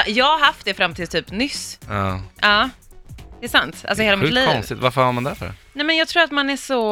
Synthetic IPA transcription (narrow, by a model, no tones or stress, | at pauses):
jɑːɡhaɾɦaft̪̚d̪ɛfɾamːt̪ʰɪlt̪ʰyːpnʏsːʔɑː | d̪̥ɛːsant̪ʔa̰ls̬ɔheːlamɪliːɔnssɪt̪vaɾfəɾhaɾmand̪æɾfœɖɛ̰nɛmɛnjɑːɡt̪ʰɾuːɾat̪manæʂɔ